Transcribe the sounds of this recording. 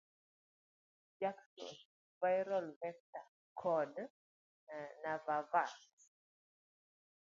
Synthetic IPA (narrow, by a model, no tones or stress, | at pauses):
d͡ʒaksɔ̰n | vajɾɔlvɛk̚ta | kʰɔd | navavas